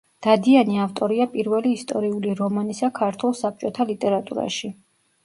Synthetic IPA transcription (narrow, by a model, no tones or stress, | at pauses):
d̪̥ad̪ianiaft̪ʼɔɾiapʼiɾvɛliːst̪ʼɔɾiuliɾɔmanisakʰaɾt̪ʰwulˠsap̚t͡ʃʼɔt̪ʰalit̪ʼɛɾat̪ʼṵɾa̰ʃi